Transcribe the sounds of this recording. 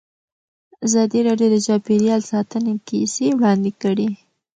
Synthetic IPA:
azɑd̪iɾɑɖjod̪əd͡ʒɑpeɾjɑlsɑt̪ənekisewɽɑnd̪ɪkəɽi

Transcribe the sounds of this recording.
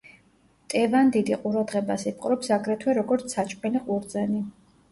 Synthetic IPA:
t̪ʼɛvand̪id̪iqʼuɾad̪ʁɛbasip̚ʰʼqʼɾɔpsaɡɾɛt̪ʰwɛɾɔɡɔɾt̪sʰat͡ʃʼpʼɛliqʼuɾd̪zani

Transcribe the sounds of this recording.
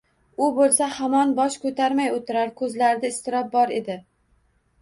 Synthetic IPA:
ʊbolˠsahamɒnbɒʃkʰɵt̪ʰaɾmajot̪ʰɪɾaɾkʰɵzlaɾɪd̪aɪst̪ɪɾɒp̚bɒɾe̞d̪ɪ

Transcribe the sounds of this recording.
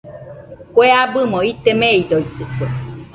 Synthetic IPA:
kweabɨmoit̪emeid̪oit̪ːɨkwe

